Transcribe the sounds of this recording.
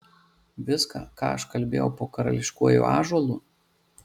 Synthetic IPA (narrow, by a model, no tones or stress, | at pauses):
ʋʲɪskɑ̰ːkɑ̰ːɐʃkɐlʲbʲḛːjɛʊpoːkɐɾɐ̰lʲɪʃkuɔjṵːʔɑ̰ːʒuɔlˠuː